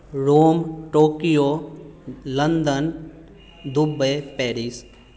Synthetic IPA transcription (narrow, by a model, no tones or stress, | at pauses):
ɾoːmʈoːkijoː | lənd̪ən | d̪ʊbəpɛːɾis